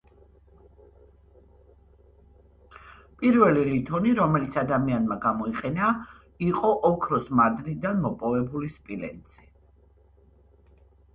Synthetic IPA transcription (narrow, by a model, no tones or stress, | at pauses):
pʼiɾvɛlilit̪ʰɔniɾɔmɛlit̪sʰad̪amianmaɡamɔiqʼɛna | iqʼɔʔɔkʰɾɔsmad̪nid̪anmɔpʼɔvɛbulispʼilɛ̰nt̪sʰʼi̥